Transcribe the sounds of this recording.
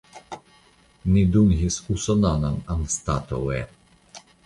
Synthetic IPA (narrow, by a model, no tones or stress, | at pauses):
nid̪uŋɦisusɔnanananst̪at̪o̰wɛ